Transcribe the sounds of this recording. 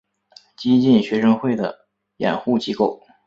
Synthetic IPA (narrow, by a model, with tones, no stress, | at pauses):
t͡ɕi˥t͡ɕi˥˩nɕɥɛ˧˥ʂɤ˥ŋxwe˥˩ɪd̪ə̰˩ | jɛ̰˨˩nxu˥˩t͡ɕi˥ko˥˩ʊ